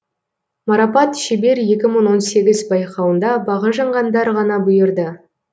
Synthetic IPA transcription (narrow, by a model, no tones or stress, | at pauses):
mɑɾɑpɑt̪ʃɪbe̞ɾje̞kʲɪməɴwo̞nse̞ɡʲɪzbɑjqɑwənd̪ɑbɑʁəʒɑɴʁɑnd̪ɑɾʁɑnɑbʊjəɾd̪ə